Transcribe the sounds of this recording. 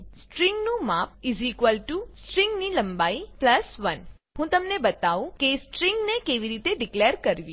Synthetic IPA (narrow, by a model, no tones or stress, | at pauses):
sʈɾĩŋɡnũmap̚izikʋəlʈusʈɾĩŋɡniləmbaipləsʋən | ɦũt̪əmnebət̪aʋũkesʈɾĩŋɡnekeʋiɾit̪eɖikleɾkəɾʋĩ